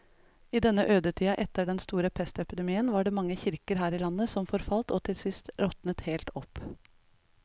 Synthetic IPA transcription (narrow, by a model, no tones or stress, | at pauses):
ɪd̪ɛnːəʔøːd̪əʈʰiːɑʔɛt̪ːəɖɛnst̪uːɾəpʰɛst̪ɛpɪd̪ɛmiːənʋɑːɖɛːmɑŋːəçɪɾkəɾɦæːɾɪlɑnːəsɔmfɔɾfɑlt̪ɔːt̪ʰɪlsɪst̪ɾɔt̪nət̪heːlt̪ɔp